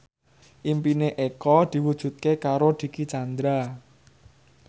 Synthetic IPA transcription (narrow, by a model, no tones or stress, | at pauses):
ʔimpineʔekɔd̪̥i̤wud̥ʒ̥ṳt̪̚kekaɾod̪̥i̤kit͡ʃand̪ɾa